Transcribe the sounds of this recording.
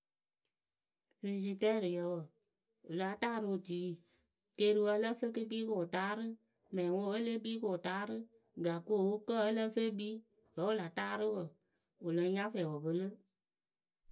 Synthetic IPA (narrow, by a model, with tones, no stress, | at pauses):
fi˧si˧tɛ˦˨ɾɨ˨jɛ˧˦wə˨ | u˨la˨˦taː˦˨ɾɨ˧o˨tiː˨˦ | teː˧˦˧ɾɨ˧wə˧ə˦lə˦fe˦kɨ˦biː˦ko˨taː˨˦ɾɨ˦ | mɛ̃˨ĩ˨ŋo˧˦ə˦le˦biː˦ko˨taː˨˦ɾɨ˦ | ɡa˨ko˦˨wu˦kə˦˨ə˦lə˦fe˦biː˦ | bɛ˨˦u˦la˨˦taː˦ɾɨ˦wə˨ | o˨lə̃˧˦ɲã˦fɛ˨wo˨bə˦lə˦